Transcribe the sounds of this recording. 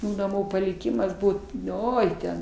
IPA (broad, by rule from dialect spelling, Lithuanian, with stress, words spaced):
nɐˈmuː pɐlʲɪˈkʲɪmɐs ˈbuːt ˈoːɪ tʲɛn